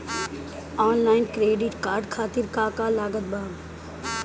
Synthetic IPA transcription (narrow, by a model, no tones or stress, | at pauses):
ɔːnlaːɪnkɾeːɖɪʈkaːɾɖkʰaːt̪ɪɾkaːkaːlaːɡət̪̚baːʋ